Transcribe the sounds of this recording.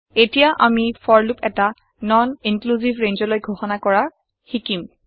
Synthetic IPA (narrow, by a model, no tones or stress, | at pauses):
etijaʔamifɔɹlupɛta | nɔninkluzivɹenzɔlojɡʱoxɔnakɔɹa | xikim